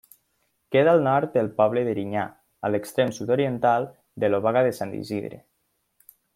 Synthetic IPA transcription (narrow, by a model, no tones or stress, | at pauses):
keðaːlˠnɔɾt̪̚dəlˠpɔβleðeɾiɲa | əlekst̪ɾemsut̪oɾient̪alˠ | d̪əloβaɣaðesand̪ḭzḭðɾḛ